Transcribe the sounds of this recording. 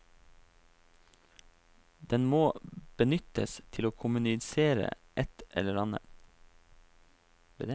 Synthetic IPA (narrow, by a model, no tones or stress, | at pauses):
d̪ɛnmoːb̥ənʏt̪ə̰st̪ʰɪloːkʰʊmʉnɪseːɾə̰ʔɛt̪ʔɛ̰ləɾɑnə̰